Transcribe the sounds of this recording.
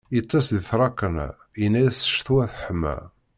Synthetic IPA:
it̪ˤːɑsðθɾˤɑkːən̰ | inːæjæsə̥ʃθuwæθħəmːæ̰

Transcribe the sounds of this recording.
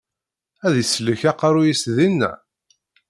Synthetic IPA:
æðisləçæqɑɾujisðinːæ̰

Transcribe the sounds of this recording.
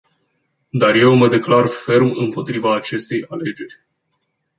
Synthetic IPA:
d̪arje̞wməd̪e̞klarfe̞rmɨmpo̞t̪ɾivaːt͡ʃe̞st̪e̞jale̞d͡ʒe̞rʲ

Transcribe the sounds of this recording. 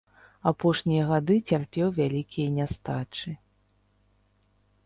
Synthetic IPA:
apɔʂnʲijɐɣad̪ɨt͡sʲarpʲɛwvʲalʲikʲijɐnʲast̪at͡ʂɨ

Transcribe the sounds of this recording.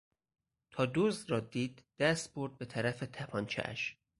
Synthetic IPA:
t̪ʰɒːd̪ozd̪ɾɒːd̪iːd̪̥ːæst̪̚boɾd̪̚be̞t̪ʰæɾæfe̞t̪ʰæpʰɒːnt͡ʃʰḛʔæ̰ʃ

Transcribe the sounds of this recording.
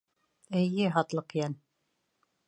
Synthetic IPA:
ɘjːɘɦɑt̪lˠɤqjæn

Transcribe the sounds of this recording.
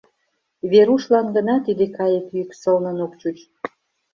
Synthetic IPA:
βeɾuʃlɑnɡə̆nɑt̪id̪ekɑjək̪yksəlnə̆nokt͡ɕut͡ɕ

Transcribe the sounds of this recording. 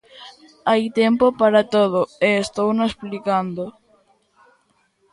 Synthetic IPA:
ajt̪empopaɾat̪oð̞oeːst̪ownosplikand̪o

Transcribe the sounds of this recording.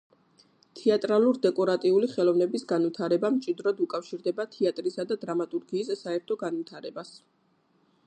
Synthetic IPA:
t̪ʰɛat̪ʼɾalˠuɾd̪ɛkʼɔɾat̪ʼiuliχɛlˠɔvnɛbisɡanvit̪ʰaɾɛbamt͡ʃʼid̪ɾɔd̪ukʼafʃiɾd̪ɛbat̪ʰiat̪ʼɾisad̪ad̪ɾamat̪ʼuɾɡiːsːaɛɾt̪ʰɔɡanvit̪ʰaɾɛbas

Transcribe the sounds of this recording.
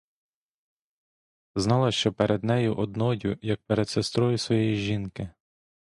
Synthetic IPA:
znɑlˠɐʃt͡ʃɔpeɾed̪nɛjʊʔɔd̪nɔjʲʊjɐk̚peɾed̪sest̪ɾɔjʊsʋɔjɛjiʒinkɪ

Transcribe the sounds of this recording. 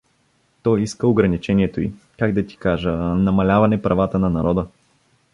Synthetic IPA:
t̪ɔjiskəoɡɾɐnit͡ʃɛniɛt̪oḭ | kaɡd̪ɐt̪i̥kaʒənɐmɐlʲavɐnɛpɾɐvat̪ənɐnɐɾɔd̪ə

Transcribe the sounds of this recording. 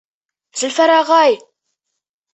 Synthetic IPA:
zəlfæɾaʁæj

